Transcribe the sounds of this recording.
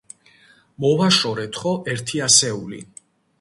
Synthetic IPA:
mɔvaʃɔɾɛt̪ʰχɔʔɛɾt̪ʰiasɛulḭ

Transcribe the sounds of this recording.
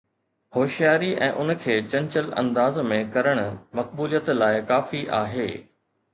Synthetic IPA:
hoːʃijaːɾiʔɛ̰̃ːʔʊnkʰeːt͡ɕɐ̃ɲt͡ɕəlɐ̰̃nd̪aːzmẽkɐɾəɽ̃ʊ̆mɐk̚buːlijət̪laːɪkaːfiʔaːɦeː

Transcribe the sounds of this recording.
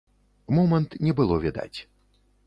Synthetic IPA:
mɔmɐnt̪nʲɛbɨlˠɔvʲɛd̪a̰t͡sʲ

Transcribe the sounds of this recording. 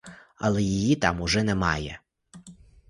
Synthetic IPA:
ɐ̰lˠɛjijit̪ɑmʊʒɛnɛmɑ̰jɛ

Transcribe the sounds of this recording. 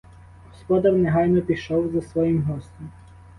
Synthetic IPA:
ɦɔspɔd̪ɐrnɛɦɑjnɔpʲiʃɔwzɐsʋɔjimɦɔsʲt̪ʲɔm

